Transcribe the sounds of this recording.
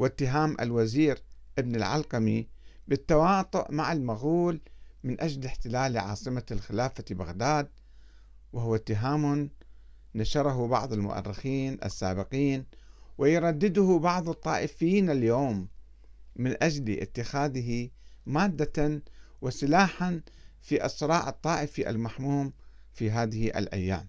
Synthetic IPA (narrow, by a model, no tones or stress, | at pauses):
wɪt̪ːɪɦaːmʔa̰lwaziːɾʔɪbnɪlʕa̰lqɑmibɪt̪ːawɑːt̪ˤʊʔmaʕalmaɣuːlmɪnʔad͡ʒlɪħt̪ɪlaːlʕɑ̰ːsˤɨmalxɪlaːfaba̰ɣd̪aːd̪̚ | wʔɪhʊwat̪ːɪɦaːmʊː | aʃɑɾˤɑɦubɑ̰ʕðˤɪlmʊ̰ʔa̰rːɪxiːnʔa̰sːa̰ːbɪqiːnwɪjɾˤɑd̪ːɪd̪ʊhʊbɑʕðˤɨt̪ˤːɑːʔɪfjiːnɪljoːmː | ɪnʔad͡ʒlʔɪ̰t̪ːɪxaːðɪɦimaːd̪ːa | wɪsɪlaːħan | fiːʔɑsɾˤɑːʕɨt̪ˤːɑːʔɪfiʔa̰lmaħmuːm | fiɦaːðɪhiʔa̰lʔa̰jːa̰ːm